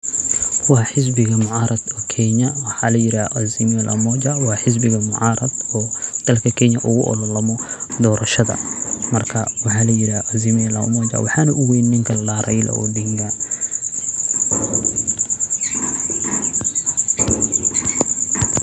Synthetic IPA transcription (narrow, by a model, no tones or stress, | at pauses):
wɑːħɪs̬bɪɣɐmʊʕɑːɾɐd̪ɔkʰɛɲɐwɑħɑlɐjɪɾaːʔɐzɪmɛlʔɐ̰mɔd͡ʒawɑːħɪs̬bɪɣɐmʊʕɑːɾɐd̪ɔːd̪̥ɐlkʰɐkʰɛɲɐʔʊɣʊʔɔ̰lɔlɐmɔd̪ɔːɾɐʃɐðɐ̰mɐrkʰɐwɑħɑːlɐjɪɾaʔɐzɪmɛlɐ̰mɔːd͡ʒa̰wɑħɑːnɐʔʊwɛjnnɪŋkʰɐlaːɾʔɐjlɐ̰ɔ̰ːd̪iŋɡa